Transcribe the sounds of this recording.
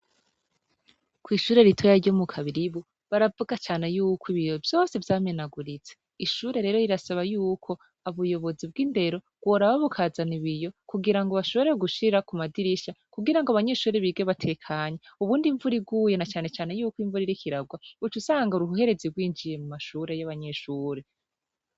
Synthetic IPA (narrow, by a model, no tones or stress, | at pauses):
kwiːʃuːɾe̞ɾitʰojaɾɟomukʰaβiɾiβu | βaɾavuɡat͡ʃaːne̞juːkʰwiβijo̞vjo̞ːse̞vjaːmenaɡuɾit͡se | iʃuːɾe̞ɾe̞ːɾo̞iɾasaβajuːkʰo̞ | aβujo̞βo̞zibɡiːnde̞ɾo̞ | ɡ̥woɾaβaβukʰaːzaniβijo̞kuɡiɾaŋɡoβaʃo̞βo̞ɾeɡuʃiɾakumadiɾiʃakuɡiɾaŋɡoaβaɲe̞ʃuːɾeβiːɡeβatʰe̞kʰaɲeuβuːndiɱvuɾiɡuːjenat͡ʃaːne̞t͡ʃaːne̞juːkwiɱvuɾiɾikiɾaɡwautusaːŋɡauɾuɦuhe̞ɾe̞ziɡwiːnd͡ʒije̞mumaʃuɾe̞jaβaɲe̞ʃuːɾe̞